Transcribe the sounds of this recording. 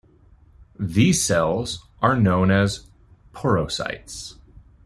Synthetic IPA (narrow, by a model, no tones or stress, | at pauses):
ðiz̥sɛlˠzʔə˞nõʊ̃nɨz̥ | pʰɔɹoʊsa̰ɪts